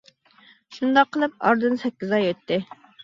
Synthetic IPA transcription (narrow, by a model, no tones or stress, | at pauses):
ʃund̪ɑqʰːəlˠɨp̚ɑ̰ɾd̪ɨnsɛkʲːizɑjøt̪ʰːɪ